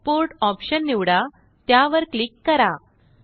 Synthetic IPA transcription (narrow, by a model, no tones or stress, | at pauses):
poɾʈɔpɕənːiʋɽa | t̪jaʋəɾklikːəɾa